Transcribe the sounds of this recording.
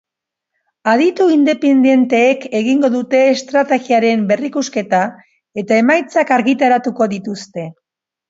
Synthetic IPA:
aðit̪uind̪e̞pend̪je̞nt̪e̞ːke̞ɣiŋɡo̞ðut̪e̞ːst̪ɾat̪e̞ɣiaɾe̞mbe̞rikuske̞t̪a | e̞t̪ae̞majt͡sakaɾɣit̪aɾat̪uko̞ðit̪ust̪e̞

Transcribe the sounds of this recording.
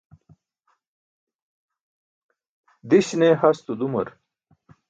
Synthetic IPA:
d̪iɕneɦɐst̪ud̪umɐɾ

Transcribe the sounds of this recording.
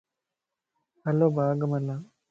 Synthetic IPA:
ɐloːbʱaːɡɐmɐlːa

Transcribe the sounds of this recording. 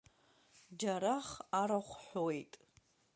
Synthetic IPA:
d͡ʒaɾaχaɾaχʷħowejtʼ

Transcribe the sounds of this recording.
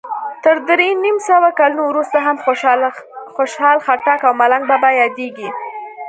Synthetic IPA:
t̪əɾd̪ɾenimsəwakalunowɾust̪aɦam | xoʃhɑlxaʈɑkawmalaŋɡ̚babajɑd̪eɡi

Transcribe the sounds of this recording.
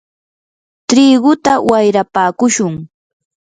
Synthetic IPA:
t̪ɾiːɢʊt̪awajɾapaːkʊʃʊŋ

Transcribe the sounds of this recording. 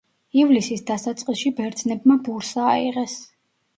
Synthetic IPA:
ivlisisd̪asat̪sʼqʼisʃibɛɾd̪znɛbmabuɾsaːiʁɛs

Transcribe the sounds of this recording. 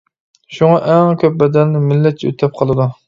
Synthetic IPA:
ʃuŋɑʔɛŋkʲʰøp̚bɛd̪ɛnnɪmɪlːɛt̪̚t͡ʃʰɛø̰t̪ʰɛp̚qʰɑlˠɨd̪u

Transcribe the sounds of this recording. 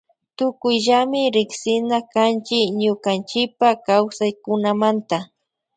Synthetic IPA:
t̪ʊkʊjʎamɪɾɪksɪnakant͡ʃɪkɲʊkant͡ʃɪpakawsajkʊnamant̪a

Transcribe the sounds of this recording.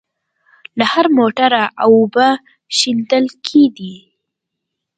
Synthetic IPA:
lahaɾmoʈaɾaʔawʊba | ʃind̪əlkʰeɡ̪i

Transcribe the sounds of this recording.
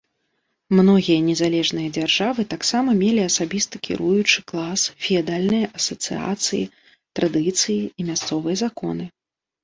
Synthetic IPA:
mnɔɣʲijɐnʲɛzalʲɛʐnɨjɐd͡zʲarʐavɨt̪aksamɐmʲelʲiɐsabʲist̪ɐkʲʰḭɾʔujut͡ʂɨklˠasfʲiad̪alʲnɨjɐʔɐsɐt̪sɨ̰a̰t̪sɨjḭ | t̪ɾʔad̪ɨt̪sɨjiːmʲast̪sɔvɨjɐzakɔ̰nɨ

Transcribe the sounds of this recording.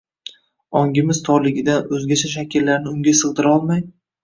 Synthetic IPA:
ɒŋɡʲɪmɪz̥t̪ʰɒɾlˠɪɡʲɪd̪anɵzɡʲat͡ʃʰaʃ̬akʲɪɾlaɾnɪʊŋɡʲasɨʁd̪ɪɾɒlˠmaj

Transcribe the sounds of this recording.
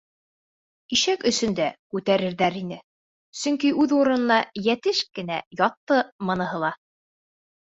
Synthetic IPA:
iʃækɵ̆sɵ̆nd̪ækʉt̪æɾɘ̆ɾðæɾinɘ | sɵŋkiʔʉðuɾɤ̆nɤ̆nɑjæt̪ɘʃkɘ̆næ̰jɑt̪ːɤmɤ̆nɤ̆ɦɤ̆lˠɑ

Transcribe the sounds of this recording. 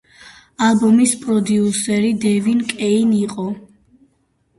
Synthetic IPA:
alˠbɔmispʼɾɔd̪iusɛɾid̪ɛvinkʼɛiniqʼɔ

